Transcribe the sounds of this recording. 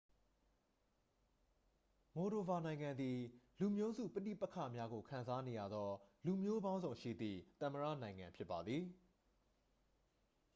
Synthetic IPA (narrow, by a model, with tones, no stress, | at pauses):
mo˨ɾo˨ba˨nã˨ɪ̃ŋã˨nd̪i˨lu˨mjo˦zṵ˦˨pə˦tḭ˦˨pɛ˦kʰä̰˦˨mja˦ɡo˨kʰã˨nza˦ne˨ja˦˨d̪ɔ˦lu˨mjo˦bã˦ʊ̃zõ˨ʊ̃ʃḭ˦˨d̪ðḭ˦˨t̪ə̃˨məɹä̰˦˨nã˨ɪ̃ŋã̰˨mpʰjɪ˦pːa˨d̪ði˨